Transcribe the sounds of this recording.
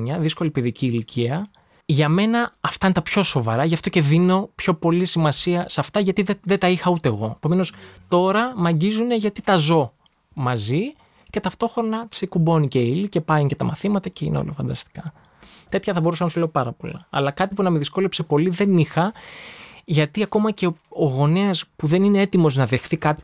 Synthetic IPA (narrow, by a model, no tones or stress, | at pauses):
ɲɐðisko̞lipiðiciːlicʰiɐ | ʝɐme̞nɐːft̪ɐinet̪ɐpço̞so̞vɐ̰ɾɐʝɐft̪oce̞ðino̞pço̞po̞lisimɐsiɐsɐft̪ɐʝɐt̪iðet̪ɐixɐut̪e̞ːɣo̞epo̞me̞no̞st̪o̞ɾɐmɐɲɟizune̞ʝɐt̪it̪ɐzo̞ | mɐzi | ce̞t̪ɐft̪o̞xɾo̞nɐ̥sekubo̞nice̞ilice̞pɐjince̞t̪ɐmɐθimɐt̪ɐceḭneo̰lofɐnd̪ɐst̪i̥kɐ | t̪e̞t̪çɐθɐbo̞usɐnɐɐsule̞opɐɾɐpo̞lɐ̰ɐ̰lɐkɐt̪ipunɐmeðisko̞lepse̞po̞liðe̞nixɐ | ʝɐt̪iɐko̞mɐce̞oɣo̞neɐspuðeninee̞t̪imo̞znɐðe̞xθikɐt̪i̥